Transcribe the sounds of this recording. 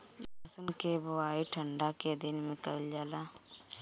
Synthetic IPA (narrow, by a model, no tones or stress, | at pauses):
bəsənkebəwaːiʈʰə̃ɳɖaked̪ɪnmẽkəld͡ʒaːla